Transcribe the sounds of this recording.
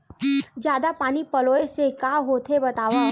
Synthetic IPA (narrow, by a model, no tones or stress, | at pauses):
d͡ʑjad̪apaɽ̃iːpəloesekaɦot̪ʰebət̪aʋa